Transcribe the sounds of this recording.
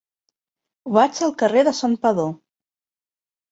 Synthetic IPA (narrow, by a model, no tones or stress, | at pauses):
βad͡ʒəlˠkəreðəsampəðo